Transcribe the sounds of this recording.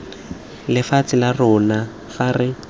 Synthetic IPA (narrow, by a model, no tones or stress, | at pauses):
lɪfat͡sɪlarʊna | farɪ